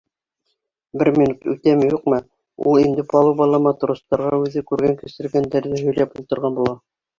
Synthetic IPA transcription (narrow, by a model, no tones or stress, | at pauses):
bɘɾmʲinut̪ʉt̪æmɘjuqmɤ | ṵlˠind̪ɘpɑlˠubɑlˠɑmɑt̪̆ɾŏst̪ɑɾʁɑʉðɘkʉɾɡæŋkɘ̆sɘ̆ɾɡænd̪æɾðɘɦɵ̆jlæpulˠt̪ɤ̆ɾʁɑnbulˠɑ